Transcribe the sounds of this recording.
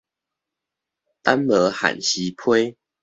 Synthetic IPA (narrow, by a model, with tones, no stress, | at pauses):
t̪a˦nlə˨˦ha̰˨˩nɕi˨˦pʰwe˦ɪ